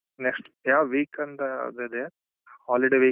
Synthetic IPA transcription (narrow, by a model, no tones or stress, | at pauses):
neksʈjaːʋiːkɐnd̪ɐ̰d̪ed̪e | haːliɖeʋiː